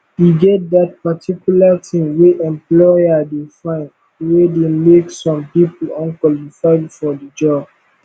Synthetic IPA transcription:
hiɡɛt̚dat̚patʰikjulatʰĩmweʔɛ̃mplɔjadefãɪ̃n | wedemeksɔ̃mpipl̩ɔ̃nkwɔlifaɪfɔdəd͡ʒɔb

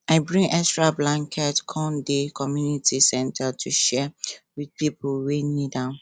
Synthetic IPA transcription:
aɪbɹĩŋɛstɹablãŋkʰɛtkʰɔ̃ndekʰɔmjunitʰisɛ̃ntʰatʰuʃɛwidpipulwenidãʊn

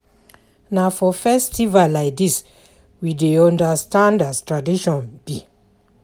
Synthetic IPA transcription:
nafɔfɛstʰivalaɪk̚dis | wideɔ̃ndastãndastɹadiʃɔ̃nb̥i

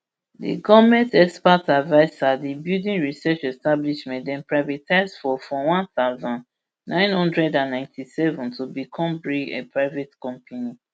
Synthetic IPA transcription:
dḭɡɔmɛ̃ntɛkspatavaɪsadibjudĩnɹisɛt͡ʃɛstabliʃmɛ̃ntdɛ̃npɹaɪvɛtʰaɪsfɔfɔwãnθaʊzɔ̃nd | nãɪ̃nhɔ̃ndɹɛdãnːãɪ̃ntʰisɛvɔ̃ntʰubikʰɔ̃mbɹiɡḛpɹaɪvɛtkɔ̃mpʰani

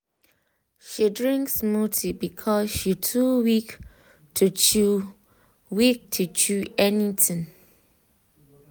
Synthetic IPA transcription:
ʃidɹĩŋksmutʰibikʰɔsʃitʰuwik | tʰut͡ʃu | wik̚tʰut͡ʃuɛnitĩŋ

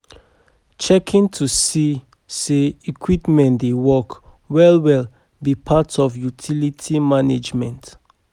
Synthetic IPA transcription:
t͡ʃɛkʰĩntʰusi | seikʰwipmɛ̃ntdewɔk | wɛlwɛl | bipʰatɔvjutʰilitʰimaned͡ʒmɛ̃nt

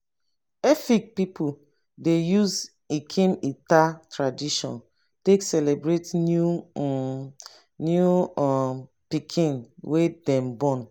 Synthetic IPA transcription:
ɛfik̚pipʰu | dejuz | ikʰĩmitatɹadiʃɔ̰̃n | teksɛlebɹetnu | nju | pikʰĩnwedɛ̃mbɔ̃n

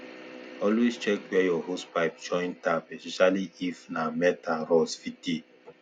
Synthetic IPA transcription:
ɔlwest͡ʃɛk̚bɛjɔhospaɪpd͡ʒɔ̃j̃ntapɛspɛʃaliifnamɛtaɾɔsfiti

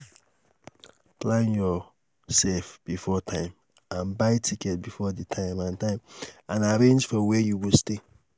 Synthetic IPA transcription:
plãnjɔ | sɛlfb̥ifɔtʰãɪ̃m | ãnbaɪtʰikɛt̚bifɔditʰãɪ̃mãntãɪ̃mãnaɾẽnd͡ʒfɔwɛjuwiste

